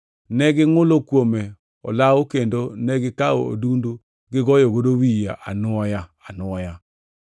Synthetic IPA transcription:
nɛɡɪŋʊlokwomɛ | ɔ̰laokendonɛɡɪkao̰o̰dundu | ɡɪɣɔjoɣodowija̰ʔanwɔjaanwɔja

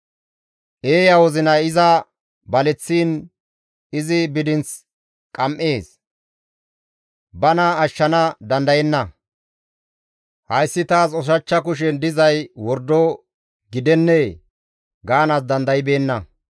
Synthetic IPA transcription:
ʔe̞ːjɐwɔzɪnɐɪzɐ | bɐlɛt͡sːiːn | ɪzɪbɪd̪ɪnt͡s | kʼɐmʔe̞ːs | bɐnɐːʃːɐnɐd̪ɐnd̪ɐjɛnːɐ | hɐjsːɪt̪aːsɔs̬ɐt͡ʃːɐk̬ʊʃ̬ɛnd̪ɪzɐjwɔɾd̪ɔ | ɡɪd̪ɛnːeː | ɡaːnɐs̬d̪ɐnd̪ɐjɪbe̞ːnːɐ

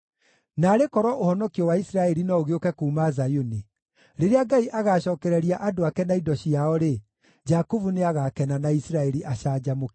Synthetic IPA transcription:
naɾekɔɾɔʔohɔnɔkiɔwaisɾaɛɾinɔoɣeokɛkuːmazajuni | ɾeɾeaɡaiʔaɣaːɕɔːkɛɾɛɾiaʔadoakɛnaidɔɕiaɔɾe | d͡ʒakuvuneaɣakɛnanaisɾaɛɾiʔaɕaːd͡ʑamok

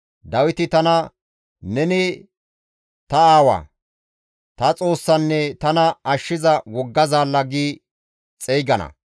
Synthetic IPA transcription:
d̪ɐwɪt̪ɪt̪ɐnɐ | nɛnɪ | t̪ɐaːwɐ̰ː | t̪ɐt͡sʼo̞ːsːɐnːɛt̪ɐnɐɐʃːɪzɐwɔɡːɐzaːlːɐɡiː | t͡sʼɛjɡɐnɐ̰

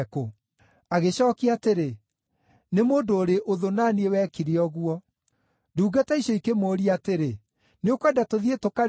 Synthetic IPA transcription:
ko | aɣeɕɔːkiateɾe | nemoːndoːɾeʔoðonanewɛːkiɾeɔɣuɔ | duːɡatɛiɕɔikemoːɾiateɾe | neokwɛdatoðietoka

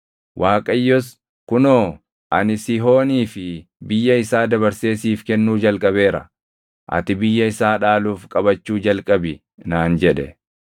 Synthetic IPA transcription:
wʔaːkʼɐjːɔs | kʊnoː | ʔɐ̰nɪsɪɦo̞ːniːfɪ | bɪjːɐɪsaːd̪ɐβɐɾse̞ːsiːfkɛnːuːd͡ʒɐlkʼɐβe̞ːɾɐ̰ | ʔɐ̰t̪ɪbɪjːɐɪsaːᶑaːluːfkʼɐbɐt͡ʃːuːd͡ʒɐlkʼɐbɪ | naːnd͡ʒɛᶑɛ

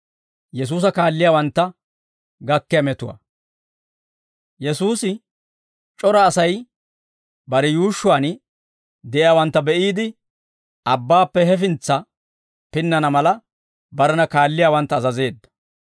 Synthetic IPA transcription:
jɛs̬uːs̬ɐkaːlːɪjaːwɐnt̪ːɐ | ɡɐkːɛjɐmɛt̪ʊwa̰ | jɛsuːsɪ | t͡ʃʼɔɾɐːsɐj | bɐɾɛjuːʃːʊwaːn | d̪ɛʔɪjaːwɐnt̪ːɐbɛʔiːd̪ɪ | ɐbːaːpːɛɦɛfɪnt͡sːɐ | pɪnːɐnɐmɐlɐ | bɐɾɛnɐkaːlːɪjaːwɐnt̪ːɐzɐze̞ːd̪ːɐ̥

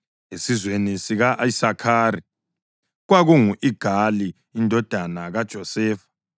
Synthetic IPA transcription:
esizwenisiɣaʔisakʰaːɾi | ɣwaɣuŋuʔiɡ̥ʱaliː | ndʱɔd̥ʱanaɣad̥ʒ̥ʱɔsɛːfḁ

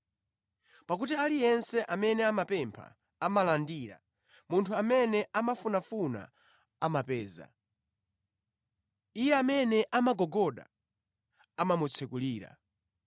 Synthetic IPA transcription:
pak̬utialijɛnsɛʔamɛnɛamapɛmpʰa̰ | amalandiːɾa̰ | muntʰuamɛnɛʔamafunafuna̰ | amapɛːza̰ | ijɛamɛnɛʔamaɡɔɡɔɗa̰ | amamut͡sʰɛkuliːɾa̰

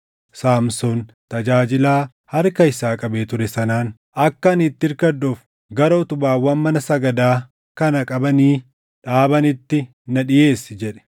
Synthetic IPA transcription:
saːmsɔn | t̪ɐd͡ʒaːd͡ʒɪlaː | hɐɾkɐɪsaːkʼɐbeːt̪ʊɾɛsɐnaːn | ʔɐkːɐnɪt̪ːɪɾkɐd̪ːof | ɡɐɾoːt̪ʊbaːwɐnmɐnɐsɐɡɐd̪aː | kɐnɐkʼɐbɐniː | ᶑaːbɐnɪt̪ːɪ | nɐᶑɪje̞ːsɪd͡ʒɛᶑɛ̥

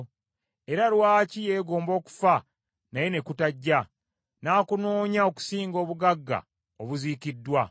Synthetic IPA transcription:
e̞ɾalwaːcije̞ːɡo̞ːmbo̞ːku̥fa | naje̞ne̞kutaɟːa | naːkuno̞ːɲao̞ku̥siːŋɡo̞ːβuɡaɡːa̰ | oβuziːkidːwa

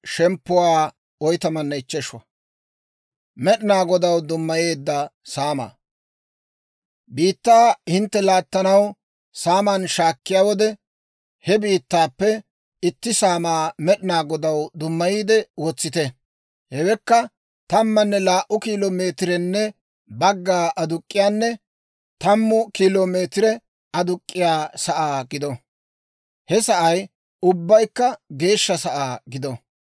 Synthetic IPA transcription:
ʃɛmpːʊwaː | ɔjt̪ɐmɐnːɐɪt͡ʃːɛʃwɐ̰ | mɛɗɪnaːɡɔd̪ɐwd̪ʊmːɐjeːd̪ːɐsaːma̰ː | biːt̪ːaːhɪnt̪ːɛlaːt̪ːɐnɐw | saːmanʃaːkːɪjaːwɔd̪ɛ | hɛbiːt̪ːaːpːɛ | ɪt̪ːɪsaːmaːmɛɗɪnaːɡɔd̪ɐwd̪ʊmːɐjiːd̪ɛwɔt͡sːɪt̪ɛ | hɛwɛkːɐ | t̪ɐmːɐnːɛlaːʔʊkiːloːme̞ːt̪ɪɾɛnːɛ | bɐɡːaːʔɐd̪ʊkʼːɪjaːnːɛ | t̪ɐmːʊkiːloːme̞ːt̪ɪɾɛ | ɐd̪ʊkʼːɪjaːsɐʔaːɡɪd̪ɔ | hɛsɐʔɐj | ʊbːɐjkːɐɡe̞ːʃːɐsɐʔaːɡɪd̪ɔ

